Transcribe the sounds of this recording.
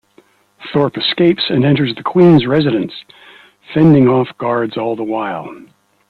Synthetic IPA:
θɔɹpɨskeɪpsɨ̃nɛ̃ntə˞zðɨkʰw̥ĩnzɹɛzɨɾɨ̃ns | fɛ̃ndɪ̃ŋɔfɡ̥ɑɹdzɔlˠðəwaɪlˠ

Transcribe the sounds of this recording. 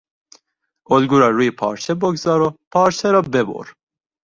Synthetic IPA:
olɡuɾɑːɾujepʰɑ̰ːɾʃɛboɡzɑːɾopʰɑːɾʃɛɾɑːbɛbo̰ːɾ

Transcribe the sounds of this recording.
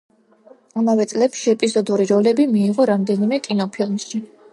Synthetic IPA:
amavɛt̪sʼlɛpʃiɛpʼizɔd̪uɾiɾɔlɛbimiːʁɔɾamd̪ɛnimɛkʼinɔpʰilˠmʃi

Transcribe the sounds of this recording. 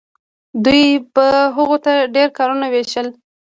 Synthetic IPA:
d̪ujbəɦəɣot̪aɖeɾkɑɾunaweʃəl

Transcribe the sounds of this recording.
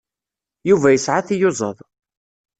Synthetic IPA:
juvæjəsʕaθijozˤəðˤ

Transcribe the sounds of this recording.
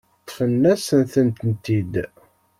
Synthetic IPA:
t̪ːfənːæsənθənt̪ənt̪id̪

